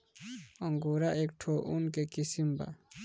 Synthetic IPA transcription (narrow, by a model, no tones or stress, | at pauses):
ɔŋɡuɾaʔek̚ʈʰoʔunkekisimba̰